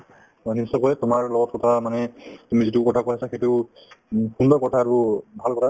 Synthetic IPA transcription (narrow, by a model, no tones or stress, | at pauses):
anisɔkɔjɛtʊmaɹlɔɡɔt̚kɔtʰamanɛtumizitukɔtʰakojasaxejtu | xundɔkɔtʰaːɹubʱalkɔtʰa